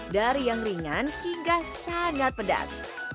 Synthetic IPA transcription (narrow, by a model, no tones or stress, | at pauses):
daɾijaŋriŋanhiŋɡasaŋat̪̚pəda̰s